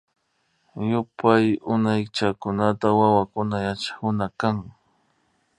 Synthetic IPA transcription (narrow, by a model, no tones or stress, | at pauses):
jʊpajʊnajt͡ʃakʊnat̪awawakʊnajat͡ʃḁkʊnakaŋ